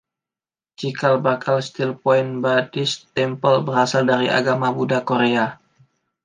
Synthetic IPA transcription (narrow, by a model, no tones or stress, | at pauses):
d͡ʒikalbakʰalst̪ilpɔɪnbadɪst̪ɛmpəlbərasaldaɾiʔa̰ɡamabudakoɾea